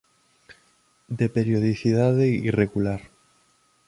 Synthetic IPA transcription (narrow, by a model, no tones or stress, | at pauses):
d̪epeɾjoðiθiðaðeireɣulaɾ